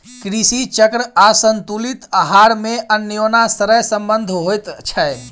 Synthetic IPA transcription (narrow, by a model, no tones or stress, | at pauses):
kɾisit͡ʃəkɾəasənt̪ulit̪əɦaɾmeʔənjonasəɾəjsəmbənd̪ʱɦojt̪t͡ʃʰɛ